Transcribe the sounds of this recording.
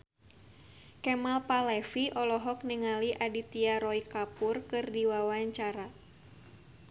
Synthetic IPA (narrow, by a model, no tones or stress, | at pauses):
kɛmalpalɛfiʔɔlɔɦɔk̚niŋaliʔadit̪iaɾɔikapurkɨrdiwawaɲt͡ʃaɾa